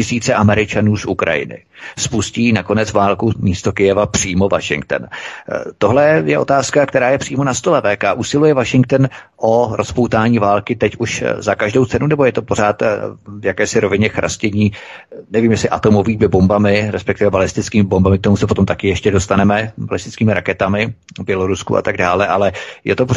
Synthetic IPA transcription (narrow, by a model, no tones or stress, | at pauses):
cɪsiːt͡sɛʔamɛɾɪt͡ʃanuːsʔukɾa̰jɪ̰nɪ̰ | spusciːnako̞nɛt͡svaːlkumiːst̪o̞kɪjɛvapr̥iːmo̞va̰ʃɪ̰ŋk̚t̪ɛ̰nt̪o̞ɦlɛjɛʔo̞t̪aːskakt̪ɛɾaːjɛpr̥iːmonast̪olɛvɛːkaʔusɪlujɛvaʃɪŋk̚t̪ɛn | ʔo̞ɾʔospo̞wt̪aːɲiːvaːlkɪt̪ɛcuʃzakaʒdo̞wt͡sɛnunɛbo̞jɛt̪opo̞ɾ̝aːt̪vjakɛːsɪɾo̞vɪɲɛxɾʔa̰scɛɲiː | nɛviːmjɛsɪʔat̪o̞mo̞viːmɪbo̞mbamɪɾɛspɛk̚t̪ɪvɛbalɪst̪ɪt͡skiːmɪbo̞mbamɪk̚t̪omusɛpot̪o̞mt̪akɪjɛʃcɛdo̞st̪anɛmɛbalɪst̪ɪt͡skiːmɪɾakɛt̪amɪ | bjɛlo̞ɾuskṵʔa̰t̪aɡ̚daːlɛʔalɛjɛ̰t̪opo